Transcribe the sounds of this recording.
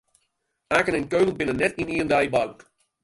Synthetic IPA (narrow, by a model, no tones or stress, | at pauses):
aːkənɪnkolənbɪnənːɛtiniəndajbawk